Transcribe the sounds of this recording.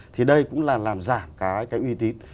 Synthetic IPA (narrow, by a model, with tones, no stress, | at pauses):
t̪ʰi˨˩ɗə˧jkʊ̰˧˥ŋ͡mlaː˨˩laː˨˩mzaː˧˩mkaː˨˦jkaː˨˦jʔwi˧t̪i˨˦n